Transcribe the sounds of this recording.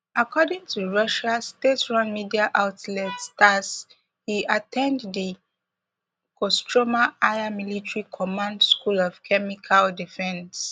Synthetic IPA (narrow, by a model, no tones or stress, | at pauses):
akɔdĩŋtʰuɹʌʃastetɹãnmidiaʔaʊtlɛtstas | hiʔatʰɛ̃ndði | kɔstʰɹomaaɪamilitɹikʰɔmãndskulɔv̥kʰɛmikʰaldifɛ̃ns